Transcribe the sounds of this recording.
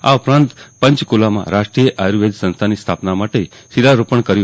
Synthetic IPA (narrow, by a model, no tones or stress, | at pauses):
a̰ʊpɾãnt̪pə̃ɲt͡ʃkulamã̰ɾaʃʈɾijəʔaɾʋed̪sə̃nst̪ʰanist̪ʰapnamaʈesilaɾupəɳkəɾju